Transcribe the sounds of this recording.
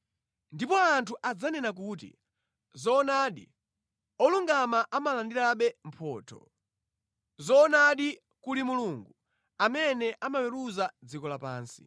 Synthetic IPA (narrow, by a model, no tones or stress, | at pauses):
ndipɔantʰuʔad͡zanɛnak̬uːtḭ | zɔːnaɗḭ | ɔluŋɡamaʔamalandiɾaɓɛm̩pʰɔːtʰɔ̰ | zɔːnaɗi | kulimuluŋɡu | amɛnɛʔamawɛɾuzad͡zikɔlapa̰ːnsi̥̰